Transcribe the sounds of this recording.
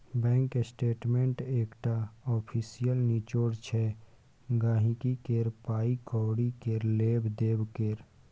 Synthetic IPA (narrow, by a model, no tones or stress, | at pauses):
bɛ̃ːŋkesʈeːʈmẽɳʈeːkʈaɔːpʰiːsijəlniːt͡ʃoːɽt͡ʃʰɛ | ɡaːɦĩkikeːɾpaːikɔːɽikeːɾleːbd̪eːbkeːɾ